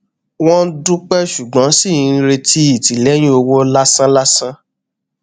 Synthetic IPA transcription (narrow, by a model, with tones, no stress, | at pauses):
w̃ɔ̃˦dũ˦k͡pɛ˦ʃu˨ɡ͡bã˨˦si˦˨ĩ˨˧ɾe˧ti˦i˨ti˨lɛ˨˦j̃ũ˦o˧wo˦la˦sã˦la˦sã˦